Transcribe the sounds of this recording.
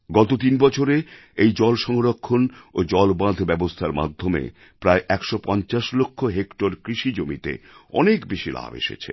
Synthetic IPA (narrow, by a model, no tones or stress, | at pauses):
ɡɔt̪ot̪inbɔt͡ɕʰoɾe | ejd͡ʑɔlʃɔŋɾokʰːonod͡ʑɔlbãd̪ʱbɛbost̪ʰaɾma̰d̪ʱːomḛ | pɾaeʔɛkʃopɔnt͡ɕaʃlokʰːoɦekʈoɾkɾiʃid͡ʑomit̪ḛɔ̰nekbiʃila̰ːbḛʃḛt͡ɕʰḛ